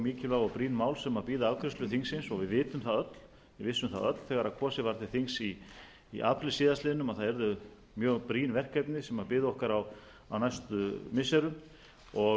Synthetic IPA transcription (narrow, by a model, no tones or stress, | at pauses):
miːcɪllaɣɔpɾiːnmaːwlsɛmapiːðʏavkʰɾʏst̪ʏθiŋsɪnsɔɣvɪðvɪːt̪ʏmθaðœt̪l̥ | vɪvɪsʏmθa̰ðœ̰t̪l̥θɛɣaɾakʰvɔːsɪvaɾt̪ɪ̥θiŋsiː | ʔaːpʰɾɪlɪsiːðast̪ɪːðnʏmaθaðɛɾðʏ | mjœːɣpɾiːnvɛr̥kɛjpnɪsɛmaðpɪːðʏɔhkaɾaw | a̰wnajst̪ʏmɪsɛɾʏm | ɔ